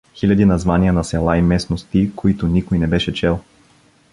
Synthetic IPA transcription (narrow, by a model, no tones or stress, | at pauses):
xilʲɐd̪inɐzvaniənɐsɛlˠaimɛsnost̪ikoit̪ʊnikojnɛbɛʃɛt͡ʃɛlˠ